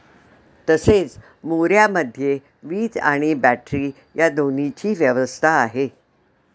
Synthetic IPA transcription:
t̪əset͡s | moɾjaməd̪ʱːje | ʋiːd͡za̰ɽ̃ibæʈɾiː | jad̪onit͡ɕiːʋjəʋəst̪ʰaːɦe

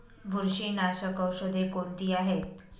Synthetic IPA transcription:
bʱuɾɕiːnaɕəkəwɕod̪ʱekont̪iːaɦet̪

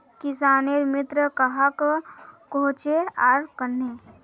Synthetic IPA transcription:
kɪsaːneɾmɪt̪ɾəkəɦakkoːt͡ʃeaːɾkəɾne

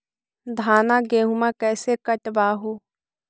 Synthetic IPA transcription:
d̪ʱaːnaɡeːɦʊmãkɛːsekəʈbaːɦoː

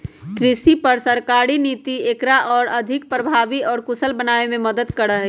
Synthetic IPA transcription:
kɾɪsipɐɾsɐɾkaːɾiniːt̪iekɾaʔɔːɾɐd̪ʱɪk̚pɾəbʱaːʋiɔːɾkʊsəlbənaːemẽməd̪əd̪kɐɾəɦɛ

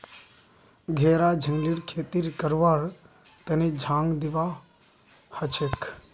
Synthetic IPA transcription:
ɡʱeːɾad͡ʒʱəŋɡliɽkʰeːt̪iɾkəɾʋaːɾ | t̪ened͡ʒʱãːŋɡd̪ɪʋa | hət͡ʃʰekʰ

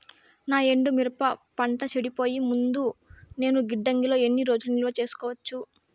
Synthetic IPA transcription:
naːe̞ɳɖumiɾɐpɐpɐɳʈɐt͡ʃeɽipo̞ːjimund̪une̞ːnuɡiɖːɐŋɡilo̞ːe̞nːiɾo̞ːd͡ʒulniloːt͡ʃe̞ːsu̥kɔːʋɐt͡ʃːu

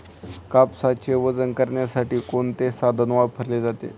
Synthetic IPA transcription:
kapsat͡ɕeʋəd͡zənkəɾɳjasaʈiːkoɳt̪esad̪ʱənʋapʰəɾled͡zat̪ḛ

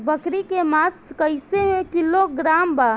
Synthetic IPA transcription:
bəkɾikemaːskəɪseɦekɪloɡɾaːmba

